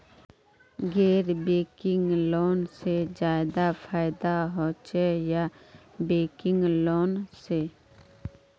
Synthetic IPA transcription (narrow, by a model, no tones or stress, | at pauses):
ɡeːɾbeːkɪŋɡloːnsed͡ʒaːɪd̪apʰaːɪd̪aɦoːt͡ʃejabeːkɪ̃ŋɡloːnse